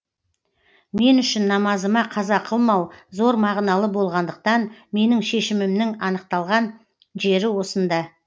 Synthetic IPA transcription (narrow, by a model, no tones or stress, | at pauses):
me̞nʏʃɪnːɑmɑzəmɑqʰɑzɑqʰəlˠmɑwzo̞ɾmɑʁnɑlˠəbo̞lˠʁɑnd̪əq̚t̪ɑnme̞nɪŋʃe̞ʃɪmɪmnɪŋɑnəq̚t̪ɑlˠʁɑn | ʒe̞ɾɪwo̞sənd̪ɑ